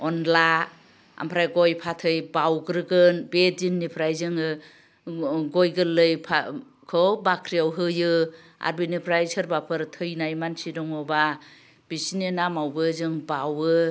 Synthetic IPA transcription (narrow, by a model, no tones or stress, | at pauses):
ɔnla | a̰mpʰɾajɡɔjpʰatʰɯjbawɡɾɯɡɯnbedinːipʰɾajzɯŋɯ | ɡɔjɡɯlːɯjpʰa | kʰɔbakʰɾiawɦɯjɯ | a̰ɾbinipʰɾajsɯɾbapʰɯɾtʰɯjnajmansidɔŋɔba | b̥isininamawbɯzɯŋbawɯ